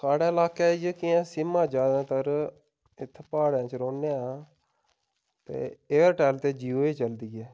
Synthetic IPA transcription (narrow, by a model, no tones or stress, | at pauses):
saːɽeːɪlaːkeːd͡ʒekiãːsɪmãːd͡ʒaːd̪ãːt̪əɾ | ɪt̪ʰːpaːɽãːt͡ʃɾoːneːaː | t̪ḛːeːɾʈɛːlt̪eːd͡ʒiːoːeːt͡ʃəld̪iːɛː